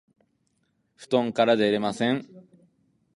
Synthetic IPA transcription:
ɸɯ̟̥t̪õ̞ŋkaɾad̪eɾemasẽ̞ŋ

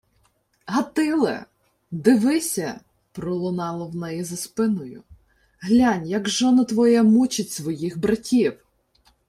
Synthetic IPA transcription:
ɦɐt̪ɪlˠɛ̰ | d̪ɪʋɪsʲɐ | pɾɔlˠʊnɑlˠɐwnɛjizɐspɪnɔjʊ̰ | ɦlʲanʲjɐɡʒɔnɐt̪ʋɔjɛmut͡ʃɪtʲsʋɔjixbɾɐtʲiw

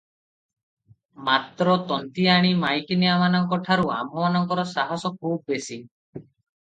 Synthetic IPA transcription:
mat̪ɾɔt̪ɔnt̪iaɽ̃imajkinijamanɔŋkɔʈʰaɾua̰mɔmanɔŋkɔɾɔsaɦɔsɔkʰub̚besi

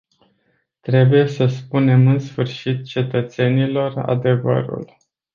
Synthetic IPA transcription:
t̪ɾe̞buje̞səspune̞mɨnsfɨrʃit̪̚t͡ʃe̞t̪ət̪se̞nilo̞ra̰d̪e̞və̰ɾṵl

